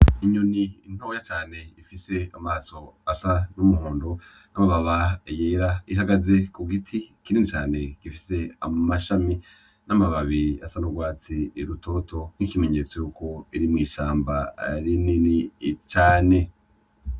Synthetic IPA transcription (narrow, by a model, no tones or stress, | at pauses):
iɲuniin̥oːjat͡ʃaːne̞ifise̞amaːso̞asanumuhoːndo | namaβaβajeːɾaiɦaɡazekuɡitʰikininit͡ʃaːne̞ɡ̥ifi̥se̞a̰maʃami | namaβaβiɾiasanuɡwaːt͡siːɾutʰo̞ːto̞n̥ikimeɲet͡sojuːko̞iɾimŋiːʃaːmbaa̰ɾininit͡ʃaːne̞